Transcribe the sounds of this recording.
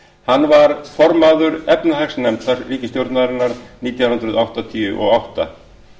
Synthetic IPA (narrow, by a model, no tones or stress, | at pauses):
hanːvaɾfɔɾmaðʏɾɛpnaɦɛksnɛmt̪aɾliːcɪst̪jowɾt̪naðɾɪnːaɾniːt̪jaw̪ʏnt̪ɾʏðawht̪at̪ʰijʏ̰ʔɔɣawht̪a̰